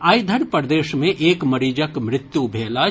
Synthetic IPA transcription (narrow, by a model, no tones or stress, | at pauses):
aːjd̪ʱəɾpɾd̪eːʃmẽʔeːkmɐɾiːd͡ʒəkmɾɪt̪jubʱeːla